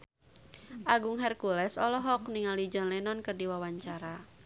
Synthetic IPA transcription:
ʔaɡʊŋɦɛrkulɛsɔlɔɦɔk̚niŋalid͡ʒɔnlɛnɔnkərdiwawaɲt͡ʃaɾa

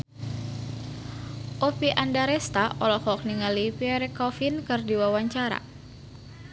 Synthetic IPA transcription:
ʔopiʔandaɾɛst̪aʔɔlɔhɔk̚niŋalipiɛɾɛkɔfinkɨrdiwawaɲt͡ʃaɾa̰

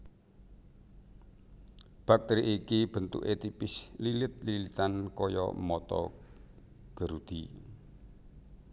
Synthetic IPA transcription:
b̥ak̚t̪eɾiʔikib̥ə̤nt̪ʊ̰ʔet̪ipɪslilɪt̪̚lilit̪ankɔjɔ̰mɔt̪ɔ̰ | ɡ̥ə̤ɾud̪̥i

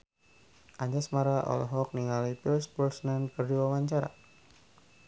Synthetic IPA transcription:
ʔaɲd͡ʒasmaɾaʔɔ̰lɔ̰ɦɔk̚niŋalipilspərsnankərduwawaɲt͡ʃaɾa̰

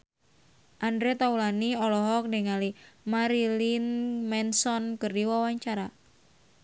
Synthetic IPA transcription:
ʔandɾet̪aulaniɔlɔɦɔk̚deŋalimaɾilinmɛnsɔnkɨrdiwawaɲt͡ʃaɾa

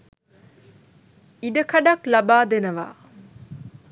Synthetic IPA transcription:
iɖəkʰɐɖɐklɐbaːd̪enɐʋa̰ː

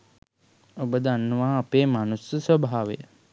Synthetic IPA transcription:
obəd̪anːuʋaːpeːmanusjɐsʋəbʱaaːʋejə

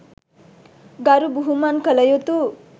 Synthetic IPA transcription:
ɡaɾubuɦumankəlʌjot̪u

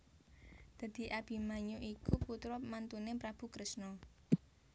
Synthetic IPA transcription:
d̪̥ä̤d̪̥i̤ʔab̥i̤maɲuʔikuput̪ɾɔp̚mant̪unepɾab̥ṳkɾəsnɔ

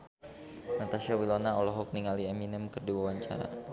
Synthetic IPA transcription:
nat̪asiawilɔnaɔlɔɦɔk̚niŋaliaminɛməkərdiwawaɲt͡ʃa̰ɾa̰

